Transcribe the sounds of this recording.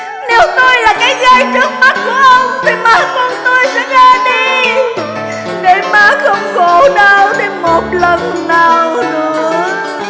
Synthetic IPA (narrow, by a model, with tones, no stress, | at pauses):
ne˨˦wt̪o˧jlaː˨˩kaː˨˦jɣa˧jt͡ɕɨ˦˥ək̚ma˦˥t̚ku˧˩əʔə˧wŋ͡mvi˨˩maː˨˦kɔ˧nt̪o˧jsɛ̰˧˥ɣaː˧ɗi˧ | ɣə˨˩˦jmaː˨˦xə˧wŋ͡mɣo˧˨˦ɗaː˧wɗe˨˩mo˨˩t̚lə˧˩nnaː˨˩wnɨ̰˧˦ə